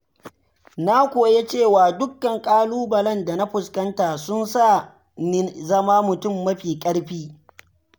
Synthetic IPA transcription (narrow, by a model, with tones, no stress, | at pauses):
na˦kʷoː˨je˦t͡ʃeː˦˨waː˨dʊ˦kːɐ˨ŋkʼaː˦luː˦bɐ˨lɐ˦nda˨na˦ɸʊ˨skɐ˦nta˨sʊ˦nsa˦˨ | ni˦zɐ˦maː˦mʊ˨tʊ˦˨mːɐ˦ɸiː˨kʼɐ˦ɽɸiː˦